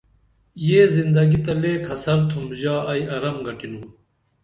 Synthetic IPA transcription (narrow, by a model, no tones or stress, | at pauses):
jeːzind̪ɐɡit̪ɐleːkʰɐsɐɾt̪ʰumʑaːɐjɐɾɐmɡɐʈinuː